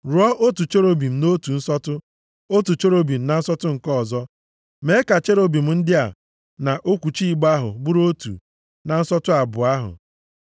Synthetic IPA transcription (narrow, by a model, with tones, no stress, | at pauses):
ɾu˨˦ɔ˦ʔo˦tu˨t͡ʃo˦ɾo˦bi˨m̩˨no˦tu˨n̩˦sɔ˦tʊ˦ | o˦tu˨t͡ʃo˦ɾo˦bi˨m̩˨˦na˨n̩˦sɔ˦tʊ˦ŋ̩˨kɔ˦˨zɔ˦ | me˨˦ka˨t͡ʃe˦ɾo˦bi˨m̩˦n̩˦dɪ˦a˨ | na˨ʔo˦kʷu˨t͡ʃi˦i˦ɡ͡ba˦ɦʊ̰˨bu˦ɾo˦tṵ˨ | na˨n̩˦sɔ˦tʊ˦a˨bʊ˨a˦ɦʊ̰˨